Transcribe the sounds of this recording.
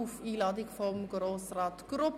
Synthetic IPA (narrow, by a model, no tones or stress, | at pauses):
ufiːlɑːdɪkfɔmɡɾoːsrɑːtɡ̥ɾʊp